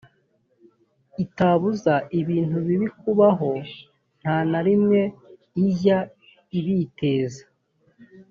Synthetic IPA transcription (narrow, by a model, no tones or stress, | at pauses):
itaːβuzaʔiβiːn̥uβiβikuβaɦo̞ | n̥haːnaɾimŋe̞ | iza | iβiːte̞ːzḁ